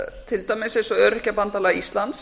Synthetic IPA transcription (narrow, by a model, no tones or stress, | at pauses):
t̪ʰɪlt̪ajmɪsẽnsɔœːɾɪhcapant̪alɛɣaist̪lant̪s